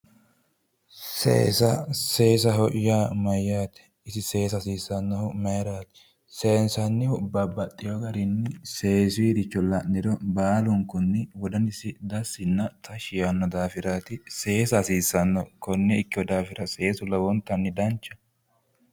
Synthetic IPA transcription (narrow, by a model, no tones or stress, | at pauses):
sḛːsɐseːs̬ɐɦɔʔjaːmɐjːaːt̪ɛ̥ | ɪsɪse̞ːsɐsiːsɐnːɔhʊmɐjɾaːt̪ɛ̥ | seːnsɐnːɪhʊbɐbːɐt̪ʼːɪjɔɡɐɾɪnːɪse̞ːsid̪ɪt͡ʃːɔlɐʔnɪd̪ɔbaːlʊŋkʊnːɪwɔd̪ɐnɪsɪd̪ɐsːɪnːɐt̪ʰɐʃɪjɐnːɔd̪aːfɪɾaːt̪ɪse̞ːsɐsiːsɐnːɔkɔnːɛɪkːɪwɔd̪aːfɪɾɐse̞ːsʊlɐwɔnt̪ːɐnːɪd̪ɐnt͡ʃːɐ̥